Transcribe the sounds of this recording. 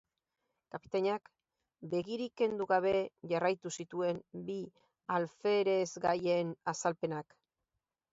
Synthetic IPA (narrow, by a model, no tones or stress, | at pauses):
kapi̥t̪aɲak | be̞ɣiɾike̞nd̪uɣaβe̞ʝarajt̪usit̪ue̞mbi | alfe̞ɾe̞zɡaje̞nasalpe̞nak